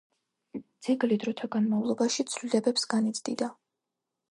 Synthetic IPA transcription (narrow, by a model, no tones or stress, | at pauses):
d̪z̥ʰiɡlid̪ɾɔt̪ʰaɡanmavlˠɔbaʃit̪sʰvlilɛbɛpsɡanit̪sd̪id̪a